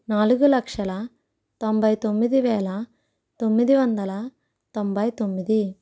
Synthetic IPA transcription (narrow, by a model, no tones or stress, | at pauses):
naːluɡulɐkʂɐlɐ | t̪ombʱɐjt̪omːid̪iʋɛːlɐ | t̪o̞mːid̪iʋɐnd̪ɐlɐ | t̪ombʱɐjt̪omːid̪i